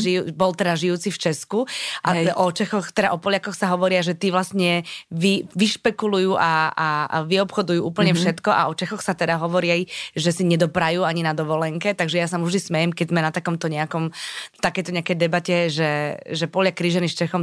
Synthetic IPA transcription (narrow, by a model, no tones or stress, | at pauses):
ʒiubɔlt̪ɛd̪aʒijuːt͡sift͡ʃɛskuʔaʔɔt͡ʃɛxɔxt̪ɛd̪aʔɔpɔljakɔxsaɦɔʋɔɾɪaʒɛt̪iːʋlasɲɛʋiʋiʃpɛkulujuːʔaaʋiɔpxɔd̪ujuːʔuːpl̩ɲɛfʃɛt̪kɔʔa̰ɔt͡ʃɛxɔxsat̪ɛd̪aɦɔʋɔɾiajʒɛsiɲɛd̪ɔpɾajuːaɲinad̪ɔʋɔlɛŋkɛt̪aɡʒɛjasamuvʒd̪ismɛjɛmkɛɟzmɛnat̪akɔmt̪ɔɲɛakɔmt̪akɛjt̪ɔɲɛakɛjd̪ɛbacɛʒɛʒɛpɔlakɾiʒɛnist͡ʃɛxɔm